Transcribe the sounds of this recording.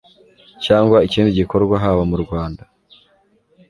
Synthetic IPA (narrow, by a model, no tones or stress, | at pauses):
caːŋɡwaiciːndiɟiko̞ɾɡwaɦaβamuɾɡwaːnda